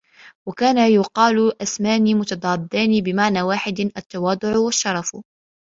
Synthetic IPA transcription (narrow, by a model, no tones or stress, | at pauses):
wakaːnajʊqɑːlʔasmaːniːmʊt̪ɑd̪ˤɑːbd̪ˤɑːniːbɪmaʕnaːwaːħɪd̪ʔat̪ːɑwɑːd̪ˤʊʕwaʃːɑɾˤɑf